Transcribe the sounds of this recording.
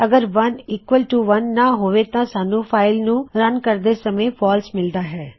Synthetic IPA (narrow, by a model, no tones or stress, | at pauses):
əɡəɾʋəniːkʋəlʈuːʋənːaːɦoːʋeːt̪ãːsaːnũːpʰaːɪlnũːɾənkəɾd̪eːsəmẽːpʰɔːlsmɪld̪aːɦɛː